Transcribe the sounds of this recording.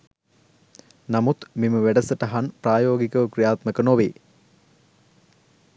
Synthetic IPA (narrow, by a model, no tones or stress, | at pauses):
nɐmut̪miməʋeɖɐsɐʈɐɦɐnpraːjoːɡikəʋkrijaːt̪mɐkənoʋe